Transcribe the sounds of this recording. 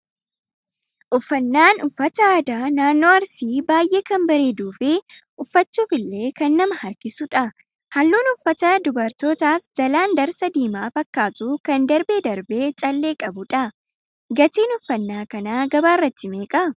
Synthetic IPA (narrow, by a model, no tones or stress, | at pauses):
ʔʊfːɐnːaːnʊfːɐt̪ɐaːd̪aːnaːnːo̞ːɐɾsiːbaːjʔe̞ːkɐmbɐɾe̞ːd̪uːfɪ | ʔʊfːɐt͡ʃːuːfɪlːe̞ːkɐnːɐmɐhɐɾkɪsʊᶑɐ | hɐlːuːnʊfːɐt̪ɐd̪ʊbɐɾt̪oːt̪aːsd͡ʒɐlaːnd̪ɐɾsɐd̪iːmaːfɐkːaːt̪uːkɐnd̪ɐɾbeːd̪ɐɾbe̞ːt͡ʃʼɐlːe̞ːkʼɐbʊᶑɐ | ɡɐt̪iːnʊfːɐnːaːkɐnaːɡɐbaːrːɐt̪ːɪme̞ːkʼɐ